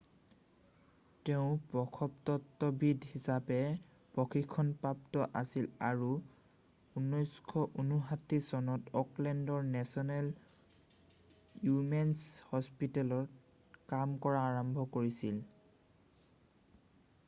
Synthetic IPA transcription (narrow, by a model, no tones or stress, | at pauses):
teʊ̃pɹɔkʰɔptɔtːɔbidhisapɛ | pɔkʰikʰːɔnpɹap̚tɔʔasilaɹu | unːɔjskʰɔʔunuɦatːisɔnɔtɔklɛndɔɹnɛsɔnɛl | jumɛnshɔspitɛlɔɹ | kamkɔɹaːɹɔmbʱɔkoɹisil